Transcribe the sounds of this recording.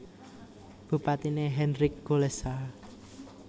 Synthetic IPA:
b̥upat̪ineɦɛnɾɪk̚ɡ̥olɛsa

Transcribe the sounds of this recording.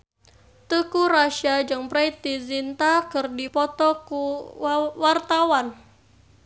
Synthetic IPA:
t̪əkuɾaʃad͡ʒɨŋpɾajt̪̚dizint̪akɨrdipɔt̪ɔku | wart̪awan

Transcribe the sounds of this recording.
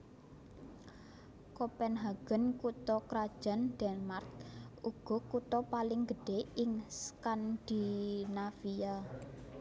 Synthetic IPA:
kɔpɛnɦaɡ̥ə̤nkut̪ɔkɾad̥ʒ̥a̤nd̥ɛnmark̚ʔuɡ̥ɔ̤kut̪ɔpalɪŋɡəɖ̥e̤ɪŋskand̪̥i̤nafija

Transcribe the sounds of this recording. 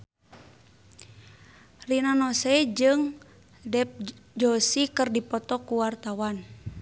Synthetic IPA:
rinanɔsɛd͡ʒɨŋ | dɛp̚d͡ʒɔsikɨrdipɔt̪ɔkuwart̪awan

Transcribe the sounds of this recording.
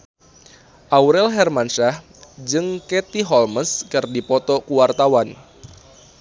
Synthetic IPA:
ʔawɾɛlɦɛrmanʃah | d͡ʒɨŋkɛt̪iɦɔlməskɨrdipɔt̪ɔkuwart̪awan

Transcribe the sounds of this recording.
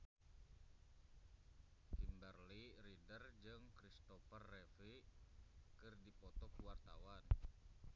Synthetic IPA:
kimbərliridərd͡ʒɨŋkɾist̪ɔfərːefi | kɨrdipɔt̪ɔkuwart̪awan

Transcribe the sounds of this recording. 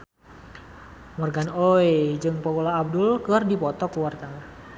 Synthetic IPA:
mɔrɡanojd͡ʒɨŋpɔkolaːb̚dʊlkəardipɔt̪ɔkuwark̪aŋa

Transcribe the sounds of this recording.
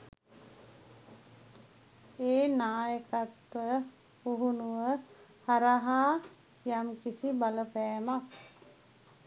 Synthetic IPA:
eːnaːjəkat̪ʋə | uɦunuʋəhaɾaɦaː | jamkisibaləpɛːmak

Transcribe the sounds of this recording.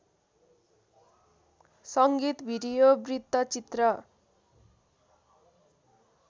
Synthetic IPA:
sʌŋɡit̪bʱiɾijobrid̪ːʌt͡sit̪rʌ

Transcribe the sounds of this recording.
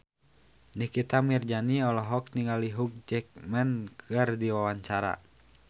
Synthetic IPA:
nihkit̪amird͡ʒaniɔlɔɦɔk̚niŋaliɦuk̚d͡ʒɛk̚mɛnkʰərdiwawaɲt͡ʃaɾa̰

